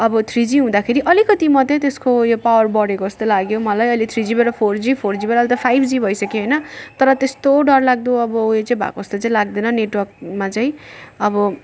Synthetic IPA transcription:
ʌbʌt̪ʰrid͡ziɦũd̪akʰeɾiʔʌlikʌt̪imʌt̪et̪eskojopawʌrbʌɽekoʌst̪olaɡjomʌlajʌlit̪ʰrid͡zibeɽʌpʰord͡zipʰord͡zibeɾaʌlt̪ʌpʰajbʰd͡zibʱʌjsʌkeɦʌjnʌt̪ʌɾʌt̪est̪oɖʌrlaɡ̚d̪oʌbʌet͡saĩbʱa̰koʌst̪ot͡saĩlaɡ̚d̪enʌneʈwʌrk̚mat͡saĩʌbʌ

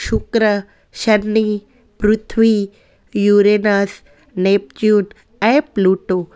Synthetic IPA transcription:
ʃukɾə | ʃɐnːi | pɾut̪ʰʋi | juːɾenas | neːp̚t͡ʃjuːn | ɛ̃pluːʈoː

